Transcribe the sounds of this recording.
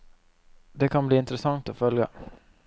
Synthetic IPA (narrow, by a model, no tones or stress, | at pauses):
d̪ɛkʰanbliːɪnt̪ɾɛsaŋt̪ɔfœlja̰